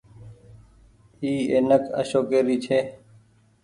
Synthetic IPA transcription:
iːeːnəkʰə̰ʃoːkeːɾiːt͡ʃʰeː

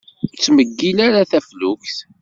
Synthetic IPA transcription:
t͡sːməɡːilaɾaθæflukθ

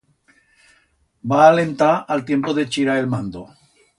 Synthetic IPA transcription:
baːlẽ̞nt̪aalt̪jempoðet͡ʃiɾaelmãnd̪o

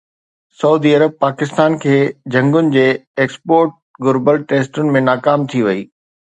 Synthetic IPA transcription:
sɐuːd̪iɐɾəb̚paːkɪst̪aːnkʰeːd͡ʑʱɐ̃ŋɡʊnɪ̆d͡ʑeːeːkspoːɾʈ̚ | ɡʊɾbəlʈeːsʈʊnɪ̆mẽnaːkaːmt̪ʰiʋɐiː

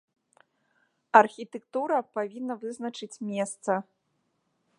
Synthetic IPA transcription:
ɐrxʲit̪ɛkt̪uɾɐpavʲinːɐvɨznɐt͡ʂɨt͡sʲmʲɛst̪sɐ

